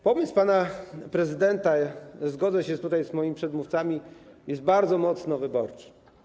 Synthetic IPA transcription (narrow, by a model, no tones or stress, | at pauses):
pɔmɘspanapɾɛzɘd̪ɛnt̪azɡɔd̪zɛɕɛst̪ut̪ajzmɔjimʲipʂɛd̪muft̪samʲijɛst̪̚baɾd̪zɔmɔt̪snɔvɘbɔɾt͡ʂɨ̥